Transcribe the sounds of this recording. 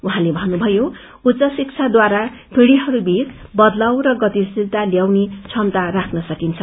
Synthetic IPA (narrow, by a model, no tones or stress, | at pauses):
uɦãlebʱʌnːubʱʌjo | ut͡sʌsik̚t͡sʰad̪waɾa | pʰiɽiɦʌɾubʱit̪bʌd̪lawrʌɡʌt̪isilt̪aljawnet͡sʰʌnt̪arakʰnʌsʌkint͡sʰʌ